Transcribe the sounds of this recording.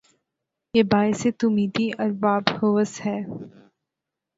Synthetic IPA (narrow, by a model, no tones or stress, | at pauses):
jeːbaːɪset̪umiːd̪iʔɐɾbaːbhoːʋəshɛː